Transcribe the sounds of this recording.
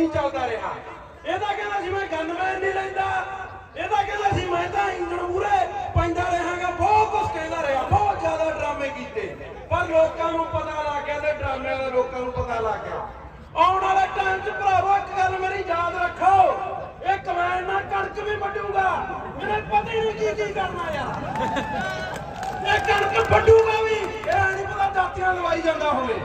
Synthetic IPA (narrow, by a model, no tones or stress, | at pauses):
ĩːt͡ʃãːʊ̃d̪aːɾəɦa̰ː | eːd̪aːkɛ̃ːd̪aːsiːmɛ̃ːɡʱənbɛ̃nĩːɾəĩnd̪aː | eːd̪aːkɛ̃ːnd̪aːsiːmɛ̃ːt̪ãːɪ̃d͡ʒəɽuːɾeːpə̃ɪ̃nd̪aːɾeɦãːɡaːbɔːt̪ʊskɛ̃ːnd̪aːɾəɦaːbɔːt̪zjaːd̪aːɖɾaːmẽːkiːt̪ḛː | pəɾloːkãːnũːpət̪aːlaːɡaːt̪eɖɾaːmãd̪eːloːkãːnũːpət̪aːlaːɡa̰ː | ɔːʊnãːɾaːʈãːɪmt͡ʃpəɾaːʋoːɪkɡəlmeːɾiːd͡ʒaːd̪ɾəkʰːa | eːkmɛ̃ːnːãːkəɾt͡ʃbiːpəɖũːɡaː | meːepət̪iːnũːkiːk̪iːkəɾnaːjaː | eːkəɾt͡ʃəpəɖũːɡaːʋiː | eːanĩːpət̪aːd͡ʒaːt̪ːijãːləbaːiːd͡ʒãːnd̪aːɦʊːleː